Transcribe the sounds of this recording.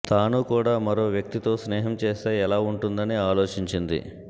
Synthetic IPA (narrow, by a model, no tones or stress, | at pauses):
t̪aːnukuːɽaːmɐɾo̞ːʋjɐk̚t̪it̪o̞ːsnɛːɦɐmt͡ʃeːst̪e̞ːɛlaːuɳʈund̪ɐniaːlo̞ːt͡ʃiɲt͡ʃind̪ḭ